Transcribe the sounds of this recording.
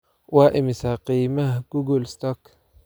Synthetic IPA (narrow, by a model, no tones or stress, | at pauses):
waʔɪmisaqimahɡ̥uɡulst̪ɔk